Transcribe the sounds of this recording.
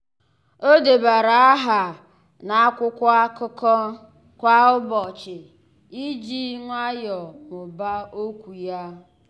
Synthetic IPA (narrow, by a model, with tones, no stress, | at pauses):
o˦de˨ba˨ɾa˨a˦ɦa˨ | na˨a˦kʷʊ˦kʷa˦kʊ˦kɔ˦ | kʷa˦ʊ˦bɔ˨t͡ʃɪ˨ | i˦d͡ʒi˦ŋʷa˦jɔ˨mʊ˨ba˦o˦kʷu˨ja˦